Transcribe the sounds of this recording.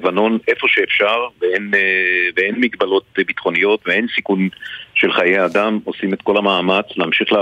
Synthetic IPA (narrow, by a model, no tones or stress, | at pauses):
vano̞nʔe̞fo̞ʃeːfʃaʁveenveenmiɡbalo̞t̪̚bit̪χo̞nijo̞t̪vee̞nsikunʃe̞lχajejad̪amo̞simet̪̚ko̞lamaːmat͡sleamʃiχle